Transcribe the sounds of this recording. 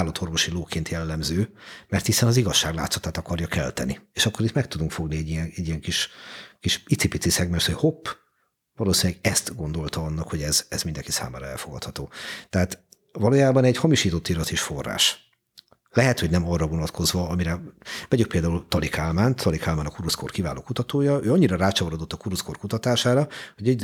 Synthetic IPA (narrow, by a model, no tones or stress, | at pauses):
lɒt̪ʰo̞rvo̞ʃiloːkʰeːnt̪jɛlːɛmzøːmɛrt̪hisɛnɒziɡɒʃːaːɡla̰ːt̪so̥t̪aːt̪ɒkɒrjɒkɛ̰lt̪ɛnieːʃɒkːoɾit̪mɛk̚t̪ud̪uŋkfo̞ɡniɛɟːijɛŋɛɟːijɛŋkiʃkiʃit̪sipit̪sisɛɡmɛʃt̪hochopː | vɒloːsinlɛɡɛst̪ɡo̞n̪d̪o̞lt̪ɒɒnːɒkhoɟɛzɛzmind̪ɛŋkisa̰ːma̰ːɾɒɛ̰lfoɡɒt̪hɒt̪oːt̪ɛɦaːt̪ | vɒloːjaːbɒnɛɟhɒmiʃiːt̪o̞t̪ːilɒt̪iʃfo̞rːa̰ːʃ | lɛɦɛt̪ho̞ɟnɛmɒrːɒvo̞nɒt̪kʰo̞zvɒɒmiɾɛvɛɟyk̚peːld̪aːult̪ɒlikaːlmaːnt̪ʰɒlikaːlmaːnɒkuɾusko̞̰rkiva̰ːlo̰ːkut̪ɒt̪oːjɒøːɒɲːiɾɒɾaːt͡ʃɒoɾod̪o̞t̪ːɒkuɾusko̞rkut̪ɒt̪aːʃaːɾɒho̞ɟɛ